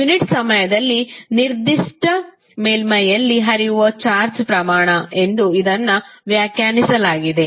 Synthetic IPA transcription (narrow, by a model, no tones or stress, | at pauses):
juniʈsɐmɐjɐd̪ɐlːiniɾd̪iʂʈɐ | meːlmɐjɐlːiɦɐɾijuʋɐt͡ʃaːɾt͡ʃpɾɐmaːɳɐe̞nd̪uid̪ɐnːɐʋjaːkjaːnisɐlaːɡid̪e̞